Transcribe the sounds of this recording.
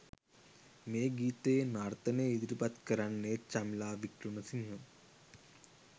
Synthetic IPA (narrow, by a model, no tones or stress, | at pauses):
meːɡiːt̪eːnart̪əneid̪iɾipat̪kəɾanːet͡ʃamilaːʋikɾunəsinɦə